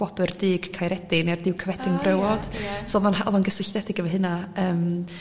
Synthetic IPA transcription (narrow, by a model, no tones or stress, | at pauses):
wɔbərdɨːɡ̥kʰajɾɛdɪnɛrdɪwkʰəvɛdɪŋvrəwɔd̥sɔlˠanɦaɔ̰lˠɔnɡəsɪɬdɛdɪɡəvɛɦɨnaəːm